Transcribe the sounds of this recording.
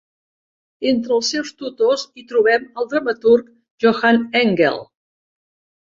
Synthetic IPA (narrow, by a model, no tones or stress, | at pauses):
ent̪ɾəlˠsɛwst̪ut̪ozit̪ɾuβɛməlˠd̪ɾəmət̪uɾk | ʒoxanɛŋɡɛ̰lˠ